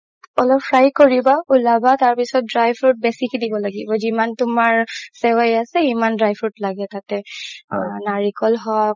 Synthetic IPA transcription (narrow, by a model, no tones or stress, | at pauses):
ɔlɔpfʰɹajkoɹibaulabataɹpisɔt̚dɹajbʰɹut̚bɛsikidibɔlaɡibɔzimantʊmaɹsɛwajasɛimandɹajpʰutlaɡɛtatɛ | naɹikɔlɦɔk